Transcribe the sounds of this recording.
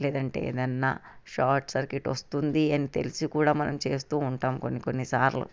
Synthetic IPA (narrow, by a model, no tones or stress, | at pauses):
lɛːd̪ɐɳʈḛːḛːd̪ɐnːa̰ːʃaːɾʈsɐɾkeʈʋɐst̪und̪iɐnit̪e̞̰lisikuːɽaːmɐnʔɐmt͡ʃe̞ːst̪uːuɳʈaːmko̞nːiko̞nːisaːɾlṵ